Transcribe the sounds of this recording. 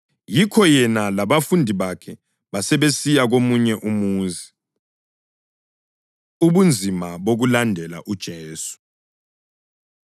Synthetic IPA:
jikʰɔjɛnalaβafundʱiβakʰɛ | βasɛβesijaɣ̬omuɲɛʔumuːzi | uβund͡zʱimaɓoɣulandʱɛla̰ʔud̥ʒ̥ʱeːsu̥

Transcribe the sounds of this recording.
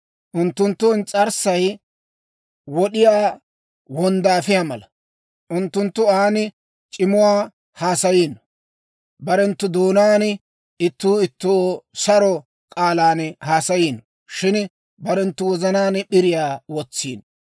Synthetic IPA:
ʔʊnt̪ːʊnt̪ːʊnt͡sʼɐɾsɐj | wɔɗɪjaː | wɔnd̪aːfɪjamɐlɐ | ʔʊnt̪ːʊnt̪ːʊaːnɪ | t͡ʃʼɪmʊwaː | haːsɐjiːn | bɐɾɛnt̪ːʊd̪oːnaːn | ɪt̪ːuːɪt̪ːosɐɾɔ | kʼaːlaːnhaːsɐjiːn | ʃɪn | bɐɾɛnt̪ːʊwɔzɐnaːnɓɪɾɪjaːwɔt͡sːḭːn

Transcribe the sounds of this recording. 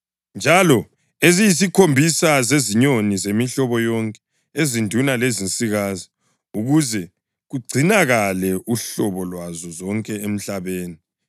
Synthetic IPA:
nd͡ʒʱalɔ | ezijis̬ikʰombʱisazeziɲonizemiɬɔβɔjɔŋkʼɛ̥ | ezindʱunalezint͡sʼiɣaːzi | uɣuzɛ | ɣuɡ͡ǀʱinaɣalɛʔuɬɔβɔlwazɔzɔŋkʼɛem̩ɬaβeːni

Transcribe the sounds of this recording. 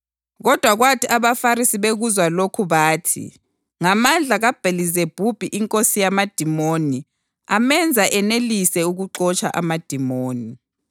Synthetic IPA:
ɣɔd̥ʱwaɣwatʰiʔaβafaɾisiβeɣuzwalokʰuβaːtʰḭ | ŋamand͡ɮʱaɣab̥ʱelizeb̥ʱub̥ʱiʔiŋkʼosijamad̥ʱimoni | amɛnd͡zʱaʔɛnelisɛuɣuǁɔt͡ʃʰʼa̰ʔa̰mad̥ʱimoːni

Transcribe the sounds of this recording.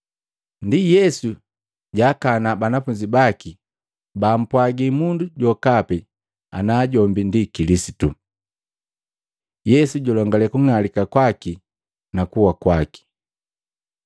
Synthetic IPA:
ndijɛsu | ɟaːkanabanafuɲd͡ʒibaki | baːm̩pwaɡimunduɟɔkapɛ | a̰naːɟɔmbindikilisitu | jɛsuɟɔlɔŋɡalɛkuŋalikakwaki | nakuwakwaki̥

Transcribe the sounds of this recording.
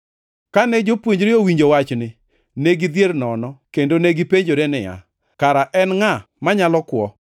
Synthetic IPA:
kanɛd͡ʒopwoɲd͡ʒɾɪowiɲd͡ʒowat͡ʃnɪ | neɡid̪jernɔnɔkendoneɡipeɲd͡ʒoɾenɪja̰ | kaɾaʔɛnŋa | maɲalɔkwɔ

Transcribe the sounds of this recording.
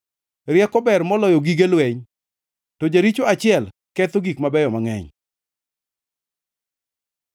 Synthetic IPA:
ɾjɛkɔbɛrmɔlɔjoɡiɡelwɛɲ | tɔd͡ʒaɾit͡ʃoat͡ʃɪɛl | kɛt̪oɡikmabɛjɔmaŋɛ̰ɲ

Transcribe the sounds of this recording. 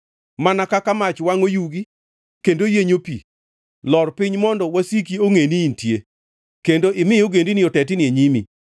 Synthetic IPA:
manakakamat͡ʃwaŋojuɡi | kendojeɲopḭ | lɔrpɪɲmɔndɔwasik̬ioŋeniːntje | kendoʔɪmɪjoɡendinɪɔtɛtɪnɪeɲimi

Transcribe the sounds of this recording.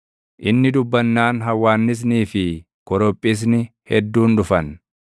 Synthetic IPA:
ʔɪnːɪd̪ʊbːɐnːaːnɦɐwːaːnːɪs̬niːfɪ | kɔɾɔpʼːɪs̬nɪhɛd̪ːuːnd̪ʊfɐn

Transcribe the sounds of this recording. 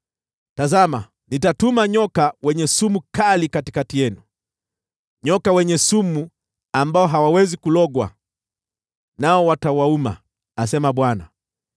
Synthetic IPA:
tazama | nitatumaɲɔkawɛɲɛsumukalikati̥katijɛnu | ɲɔkawɛɲɛsumu | ambaɔɦawawɛzikulɔɠwa̰ | naɔwatawauma̰ | asɛmaɓwana̰

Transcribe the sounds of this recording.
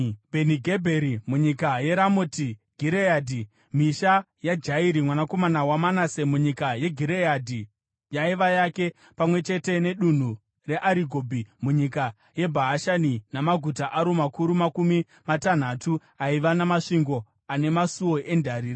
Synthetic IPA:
bʱe̞niɡʱebʱeɾimuɲikaje̞ɾamotiɡ̥ʱiɾeaːdʱi | miʃa | jad͡ʒaiɾimwanakomanawamanase̞muɲikaje̞ɡʱiɾejadʱi | jaiʋajake̞ | pamwe̞t͡ʃe̞te̞ne̞ɗun̤u | re̞ʔaɾiɡʱobʱimuɲika | je̞bʱaɦaʃaninamaɡʱutaʔaɾomakuɾumakumi | matan̤atu | aiʋanamaʂiŋɡo̞ | ane̞masuwo̞ʔe̞ndʱaɾiːra

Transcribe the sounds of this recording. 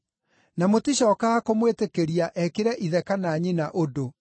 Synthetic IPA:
namotiɕɔːkaakomwetekeɾiaʔɛkeɾɛʔiðɛkanaːɲinaʔodo

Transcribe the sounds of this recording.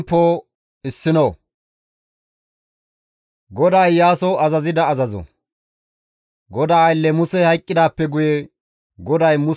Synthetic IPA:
pːoː | ɪsːɪnoː | ɡɔd̪ɐjːaːsɔɐzɐzɪd̪ɐɐzɐzɔ̰ | ɡɔd̪aːjlːɛmʊsɛhɐjkʼːɪd̪aːpːɛɡʊjɛ | ɡɔd̪ɐjmʊ

